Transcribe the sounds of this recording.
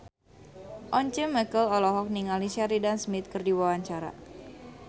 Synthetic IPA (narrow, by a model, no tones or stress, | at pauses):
ʔɔɲt͡ʃɛməkəlɔlɔɦɔk̚niŋalisaɾidansmɪt̪̚kərdiwawaɲt͡ʃaɾa̰